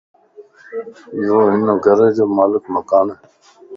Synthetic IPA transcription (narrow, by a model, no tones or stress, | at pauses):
joːɦɪnõːɡʱəɾẽːd͡ʒoːmaːlɪkməkaːneː